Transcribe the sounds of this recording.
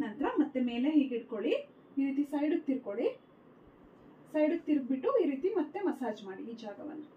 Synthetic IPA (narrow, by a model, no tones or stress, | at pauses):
nɐnt̪ɾɐmɐt̪ːeme̞ːleɦiːɡiʈ̚koɭi | iːɾiːt̪isɐjɽukt̪ːiɾko̞ɭi | sɐjɽukt̪ːiɾ̚biʈːuiːɾiːt̪imɐt̪ːemɐsaːd͡ʒmaːɽiːd͡ʒaːɡɐʋɐ̰nːu